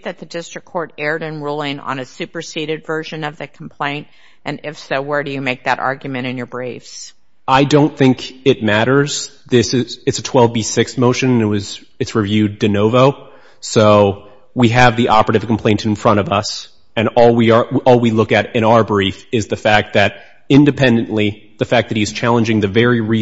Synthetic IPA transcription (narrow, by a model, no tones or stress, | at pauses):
ðɨt̪̚ðɨdɪstɹ̥ɨkʰɔɹɾɛɹɾɨ̃nɹulˠɪ̃ŋə̰̃nɨsʉpə˞siɾɨdvɜ˞ʒɨ̃nʌvðɨkʰm̩pʰl̥ẽɪ̃nt | ʔɨ̃nɪfsowə˞ɾɨjɨmeɪk̚ðɨɾʔɑ̰ɹɡjɨmɨ̃ɾ̃ɨ̃njə˞bɹeɪfs | aɪdõʊ̃nθɪ̃ŋkɪt̚mæɾə˞z̥ | ðɪsɪzɨtsɨtʰw̥ɛlˠvbisɪksmoʊʃɨ̃nɨ̃nɨt̚wʌz | ɨtsɹɨvjʉddɨnoʊvoʊ | soʊ | wiɨvðiʔɑpə˞ɨɾɨvkʰm̩pʰl̥ẽɪ̃ntɨ̃n̩fɹʌ̃ɾ̃ʌvʌs | ɨ̃nɔlˠwiəʔɔlˠwilʊkɨɾɨ̃ɾ̃aʊə˞bɹifɨzðɨfæk̚t̪̚ðɨɾ | ɪ̃ndɨpʰɛ̃ndɨ̃n̩ʔli | ðɨfæk̚ðɨt̚hiɨz̥t͡ʃʰælˠə̃nd͡ʒɪ̃ŋðɨvɛɹiɹi